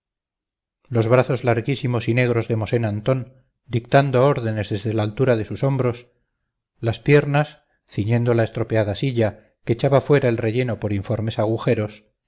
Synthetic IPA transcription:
lo̞zβɾaθo̞zlaɾɣisimo̞sine̞ɣ̞ɾo̞zðe̞mo̞se̞nant̪o̞n | d̪ikt̪and̪oao̞ɾðe̞ne̞zðe̞zðe̞laːlt̪uɾað̞e̞suso̞mbɾo̞s | laspje̞ɾnas | θiɲẽ̞nd̪o̞laest̪ɾo̞peaðasiʎa | ket͡ʃaβafwe̞ɾaelre̞ʎe̞no̞po̞ɾiɱfo̞ɾme̞saɣ̞uxe̞ɾo̞s

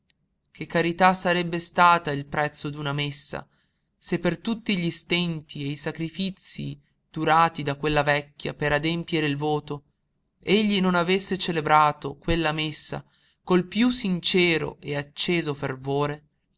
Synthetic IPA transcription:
k̟ekːaɾit̪asːaɾɛbːest̪aːt̪ailpɾɛt̪sːod̪unamesːa̰ | sepːert̪ut̪ːiʎist̪ɛnt̪ieisakɾifit̪sːi | d̪̥uɾaːt̪id̪akwelːavɛkʲːja̰peɾad̪empjeɾeilvoːt̪o | eʎːinonavesːet͡ʃelebɾaːt̪okwelːamesːa̰ | kolpjusːint͡ʃɛːɾo̰eat͡ʃːeːzofervoːɾe

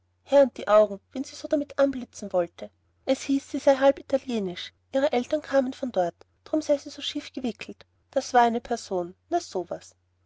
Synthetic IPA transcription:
hɛɐʊnt̚d̥iːʔaʊɡŋ̩v̥ɛnziːz̥oːdamɪtʔanblɪt͡sn̩vɔltʰə | ʔɛshiːsz̥iːzaɪɦalpitʰaljeːnɪʃ | ʔiːʁ̞əʔɛltɐnkʰaːmənfɔndɔɐt | d̥ʁ̥ʊmz̥aɪziːzoːʃiːfɡ̥əvɪkʰl̩t | d̥asv̥aːɐaɪnəpʰɛɐz̥oːnnaz̥oːvas

